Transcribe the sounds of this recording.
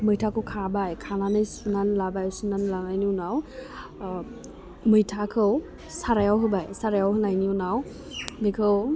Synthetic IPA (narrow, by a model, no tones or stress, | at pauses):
mɯjtʰakʰɯwkʰabajkʰananɯjsunanlabajsunanlabajniwnaw | mɯjtʰakʰɯw | saɾajawɦɯbajsaɾajawɦɯnajniunaw | mikʰɯw